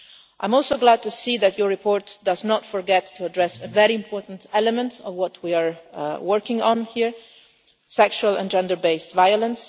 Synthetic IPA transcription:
ʔãɪ̃mɔlˠsoʊɡlæd̚tusiðætʰjəɹɹipʰɔɹtdʌznɔtfɔɹɡɛtʰːuadɹɛsəvɛɹiɪ̃mpʰɔɹtn̩tɛləmɛ̃ntʰɔvwɔtʰwiaɹwɜɹkɪ̃ŋɔ̃nhiɹ | sɛkʃuələ̰̃nd͡ʒɛ̃ndə˞beɪstvajələ̃ns

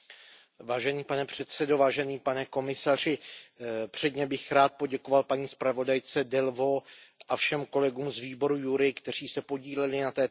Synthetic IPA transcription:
vaːʒɛniːpanɛpr̝̥ɛt̪sɛdo̞vaːʒɛniːpanɛko̞mɪsar̝ɪ | pr̝̥ɛdɲɛbɪxɾaːt̪̚po̞ɟɛko̞valpaɲiːspɾavo̞dajt͡sɛdɛlvo̞ʔafʃɛmko̞lɛɡuːmzviːbo̞ɾujuɾɪkt̪ɛr̝iːsɛpo̞ɟiːlɛlɪnat̪ɛː

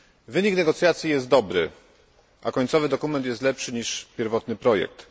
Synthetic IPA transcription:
vɘɲiknɛɡɔt̪sʲjat̪sʲjijɛst̪̚d̪ɔbɾɘ̰ | ʔa̰kɔɲʲt̪sɔvɘd̪ɔkumɛnt̪jɛst̪lɛpʂɘɲiʂpʲjɛɾvɔt̪nɘpɾɔjɛ̰k̚t̪

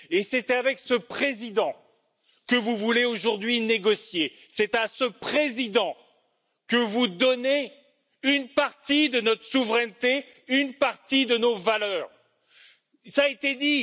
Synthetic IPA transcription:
eset̪ɛavɛksəpχezid̪ɑ̃ | kəvuvuleoʒuʁd̪ɥineɡɔsje | sɛt̪asəpχezid̪ɑ̃ | kəvud̪ɔne | ynpaʁt̪id̪ənɔt̪χəsuvʁɛnt̪e | ynpaʁt̪id̪ənovalœːʁ | saet̪ed̪i

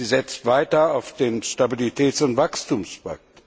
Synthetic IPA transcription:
iːzɛt͡stv̥aɪtɐaʊfd̥eːnʃtabilitʰɛːtsʊntv̥akstuːmspa̰k̚t

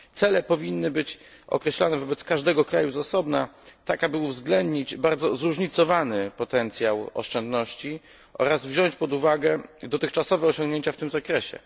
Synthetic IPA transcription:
t̪sɛlɛpɔvʲinːɘbɘt͡ɕ | ʔɔ̰kɾɛɕlanɛvɔbɛt̪skaʐd̪ɛɡɔkɾajuzasɔbnat̪akabɘuvzɡlɛnd̪ɲid͡ʑbaɾd̪zɔzɾuʐɲit̪sɔvanɘpɔt̪ɛnt̪sʲjawɔ̰ʂt͡ʂɛnd̪nɔɕt͡ɕi | ʔɔ̰ɾazvʑɔɲt͡ɕpɔd̪uvaɡɛd̪ɔt̪ɘxt͡ʂasɔvɛɔɕɔ̃ŋɡɲeɲt͡ɕaft̪ɘmzakɾɛɕɛ̰

